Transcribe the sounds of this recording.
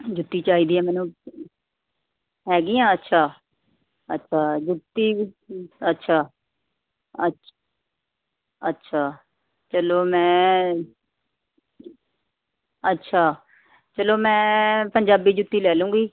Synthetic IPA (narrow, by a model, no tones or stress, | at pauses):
d͡ʒʊt̪ːiːt͡ʃaːiːd̪iːãːmɛːnũː | ɦɛːɡiːãːətːʃʰaː | ətːʃʰaːd͡ʒʊt̪ːiː | ətːʃʰaː | ə | ətːʃʰaː | t͡ʃəloːmɛ̃ː | ətːʃʰaː | t͡ʃəloːmɛ̃ːpəɲd͡ʒaːbiːd͡ʒʊt̪ːiːlɛːlũːɡiː